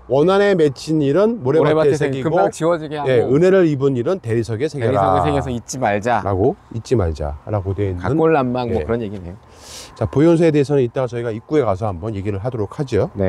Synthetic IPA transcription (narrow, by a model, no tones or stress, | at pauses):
wʌnane̞me̞t͡ɕʰiɲiɾɯnmoɾeaesʰeɡiɯɡot͡ɕiwʌd͡ʑiɡeaje̞ɯne̞ɾɯɾibɯɲiɾɯnte̞ɾisʰʌɡe̞sʰeɡɡeɾaʌɡeeŋɡesʰʌit̚t͡ɕ͈imaɭd͡ʑaɾʔa̰ɡoit̚t͡ɕ͈imaɭd͡ʑa̰ɾaɡodwe̞inaɯnkoɭːamːaŋoɯɾʌnjeɡinejo | t͡ɕapojons̬ʰeede̞ɦesʰʌnɯnit͈aŋasʰʌiɡaik͈ue̞kas̬ʰʌhambʌnje̞ɡiɾɯɭɦadoɾok̚ʰad͡ʑione